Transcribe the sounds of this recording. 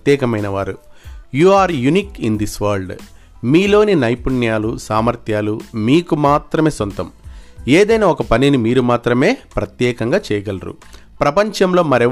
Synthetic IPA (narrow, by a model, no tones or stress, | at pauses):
t̪jɛːkɐmɐjnɐʋaːɾujuːaːɾjuniːkind̪isʋaːɾlɖ | miːlo̞ːninɐjpuɳjaːlusaːmɐɾt̪ʰjaːlumiːkumaːt̪ɾɐme̞ːsont̪ɐmeːd̪ɐjnaːɔkɐpɐninimiːɾumaːt̪ɾɐme̞ːpɾɐt̪jɛːkɐŋɡaːt͡ʃɛːjɐɡɐlɐɾṵ | pɾɐpɐɲt͡ʃɐmlo̞ːmɐɾɛ